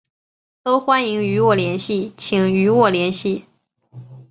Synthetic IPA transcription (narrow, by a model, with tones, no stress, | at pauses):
t̪o˥ʊxwa˥ni˧˥ŋy˧˥wɔ˥˩ljɛ˧˥nɕi˥˩t͡ɕʰi˨˩ŋy˧˥wɔ˥˩ljɛ˧˥nɕi˥˩